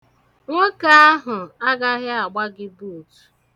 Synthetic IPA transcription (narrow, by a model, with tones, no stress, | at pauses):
ŋʷo˦ka˨a˦ɦʊ˨a˦ɡa˦ɦɪ˦a˨ɡ͡ba˦ɡɪ˦bu˦˨tu̥˨